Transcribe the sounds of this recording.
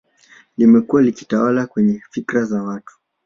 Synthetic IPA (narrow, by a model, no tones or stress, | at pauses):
limɛkuwaliki̥tawalakwɛɲɛfikɾazawatu̥